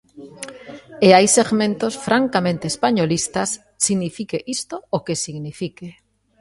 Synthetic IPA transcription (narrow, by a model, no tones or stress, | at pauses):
eajseɣmẽnt̪osfɾʔaŋkamẽnt̪espaɲolist̪asːiɣnifikeʔist̪ookesiɣnifike